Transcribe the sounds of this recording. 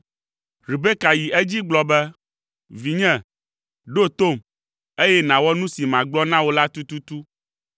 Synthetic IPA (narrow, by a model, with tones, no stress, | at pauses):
ɾi˨be˦ka˨ji˨ʔɛ˦d͡ʑi˦ɡ͡blɔ˨bɛ˦ | vi˨ɲɛ̃˦˨ | ɖo˦t̪o˦˨m | e˦jɛ˦nã˨wɔ˦nũ˦si˨mã˨ɡ͡blɔ˦nã˦wo˦la˦t̪u˦t̪u˦t̪u˦